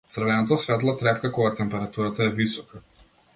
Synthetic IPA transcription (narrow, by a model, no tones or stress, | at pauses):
t̪srvɛnɔt̪ɔsvɛt̪̬lˠot̪ɾɛpkakɔɡat̪ɛmpɛɾat̪uɾat̪aɛvisɔka